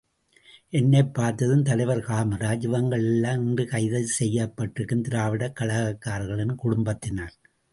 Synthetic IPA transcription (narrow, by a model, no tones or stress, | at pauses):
ʔɛnːɛpːaːɾt̪ɐðɯmt̪ɐlɐɪʋɐɾkaːmɐɾaːd͡ʒɪʋɐŋɡɐɭɛlːaːmɪndrɯkɐɪðɐsɛjːɐpːɐʈrɯkːɯmt̪ɪɾaːʋɪɽɐkːɐɭɐɣɐkːaːɾɣɐɭɛnkʊɽʊmbɐt̪ːɪnaːɾ